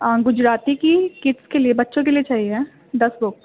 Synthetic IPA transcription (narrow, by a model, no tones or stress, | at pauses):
ɡʊd͡ʒɾaːt̪ikikɪʈskeliebɐtːʃõk̬eliet͡ʃaːɦieɦɛ | d̪ɐsbʊk